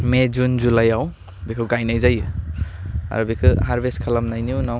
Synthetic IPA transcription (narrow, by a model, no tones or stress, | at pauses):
med͡ʒund͡ʒulajaw | bikʰɯwɡajnajzajɯ | a̰ɾubikʰɯhaɾbeskʰalamnajniunaw